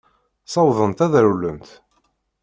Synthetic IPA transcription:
sˤɑwðˤənt̪æðɾulːəmt̪

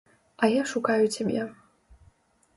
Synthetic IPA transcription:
ɐjaʂukajut͡sʲamʲja

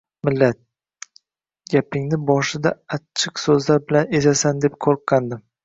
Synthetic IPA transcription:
mɪlːat̪̚ | ɡʲapʰɪŋnɪbɒʃɪd̪aat͡ʃʰːɪqsɵzlaɾbɪlane̞zasand̪e̞p̚kʰoɾqqːand̪ɪm

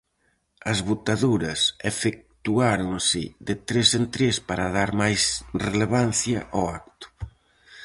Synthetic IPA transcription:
ɐzβut̪aðuɾɐsefek̚t̪uaɾoŋsɪ̰ðɪt̪ɾesent̪ɾespaɾɐðaɾmajsreleβ̞an̟θjɐ̰ʔoakt̪ʊ̥

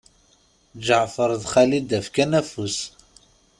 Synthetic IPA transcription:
d͡ʒəʕfəɾˤðχælid̪æfkænæfus

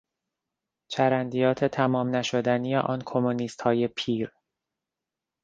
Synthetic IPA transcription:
t͡ʃʰæɾænd̪ijɒːt̪ʰe̞t̪ʰæmɒːmnæʃo̞d̪ænijḛʔɒːnkʰomoniːst̪hɒːje̞pʰiːɾ

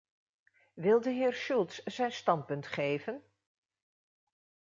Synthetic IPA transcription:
ʋɪlˠdəɦɪːɹʃulˠtsz̥ɛjnstɑnt̚pɵntχejvən

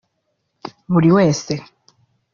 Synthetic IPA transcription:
muɾiwɛːst̪e

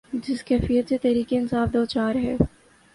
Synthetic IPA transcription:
d͡ʒɪskɛːfijət̪set̪ɛɦɾiːkeɪnsaːfd̪oːt͡ʃaːɾɦɛː

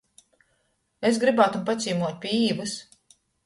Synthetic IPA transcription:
esɡɾibaːt̪umpat̪sʲiːmuɔt̪̚ʲpʲiiːvɨs

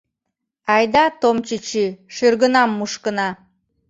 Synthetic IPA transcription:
ɑjd̪ɑt̪omt͡ɕit͡ɕiʃyrɣənɑmːuʃkə̆nɑ

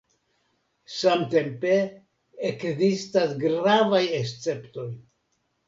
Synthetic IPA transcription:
samte̞mpeː | kzistasɡɾavajest͡se̞pto̞j

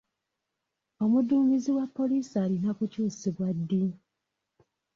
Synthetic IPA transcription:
o̞muduːmbiziwapːo̞liːsaːlinakucuːsiβwadːi

